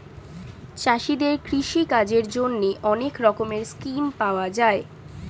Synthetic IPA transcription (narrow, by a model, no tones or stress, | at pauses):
t͡ɕaʃid̪eɾkɾiʃikad͡ʑeɾd͡ʑonːeʔɔnekɾɔkomeɾskimpaoad͡ʑae